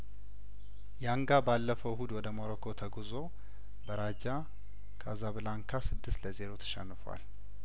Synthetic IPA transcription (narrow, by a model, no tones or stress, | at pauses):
jaŋɡabalːəfəɦud̪wɔd̪əmaɾəkʰot̪ʰəɡuzo̞ | bəɾad͡ʒa | kʰazaβɨlaŋkʰasɨd̪ːɨst̪ləze̞ɾot̪ʰə̥ʃɛnːɨfwa̰l